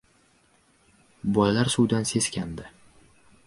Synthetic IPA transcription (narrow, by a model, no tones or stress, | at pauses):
bɒjlaɾsuwd̪anse̞skʲʰand̪ɪ